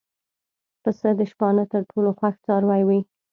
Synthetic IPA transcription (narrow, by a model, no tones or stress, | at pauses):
pəsəd̪əʃpɑnət̪əɾʈʰoloxwaxt͡sɑɾwajwi